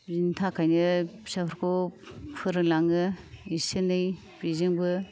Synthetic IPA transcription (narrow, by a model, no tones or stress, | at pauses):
bzintʰakʰajnɯsapʰɾkʰo | pʰɯɾɯlaŋɯisenɯj | pizeŋbɯ